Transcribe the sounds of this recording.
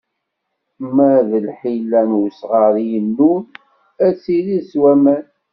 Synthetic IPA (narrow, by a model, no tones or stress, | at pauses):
mæðəlħilːænwsʁɑɾijənːu | æt͡sːiɾiswæmæn